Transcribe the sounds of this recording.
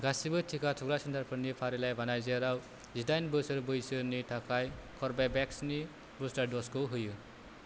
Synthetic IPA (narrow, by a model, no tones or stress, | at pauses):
ɡasibɯtʰikʰatʰɔɡɾasɯndaɾpʰɯɾnipʰaɾilajbanajziaɾaw | zidajnbɯsɯɾbɯjsɯnitʰakʰajkʰɔɾbabɛksni | busdadɔskʰɯwɦɯjɯ